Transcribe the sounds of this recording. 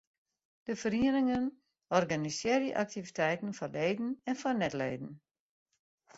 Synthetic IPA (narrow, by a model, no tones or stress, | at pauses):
d̥əfəɾiənɪŋən | ɔrɡanisjɪəɾəʔak̚tivitʰɛjtən̩fɔleːdn̩ɛnfɔnɛtleːdn̩